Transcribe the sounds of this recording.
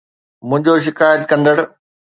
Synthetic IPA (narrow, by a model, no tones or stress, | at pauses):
mʊ̃ɦɪ̃ɲd͡ʑoʃ̬ɪkaːjət̪kɐ̃nd̪əɽ